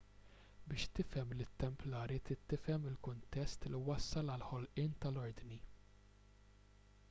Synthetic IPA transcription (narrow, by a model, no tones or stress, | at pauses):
bɪːʃt̪ɪfɛmlɪt̪ːɛmplɐːɾit̪ɪt̪ːɪfɛmɪlkʊnt̪ɛst̪liwɐsːɐlɐlħɔlʔɪːnt̪ɐlɔɾd̪ni